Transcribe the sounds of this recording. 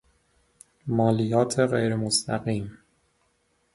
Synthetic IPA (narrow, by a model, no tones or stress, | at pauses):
mɒːlijɒːt̪ʰe̞ɣejɾemost̪ʰæ̰ɣiːm